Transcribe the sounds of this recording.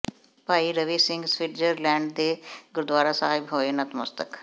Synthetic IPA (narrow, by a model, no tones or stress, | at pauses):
paːiːɾəʋiːsɪŋɡsʋɪʈd͡ʒəɾlɛ̃ːɳɖd̪eːɡʊɾd̪waːɾaːsaːɦɪbɦoːeːnət̪mə̰st̪ək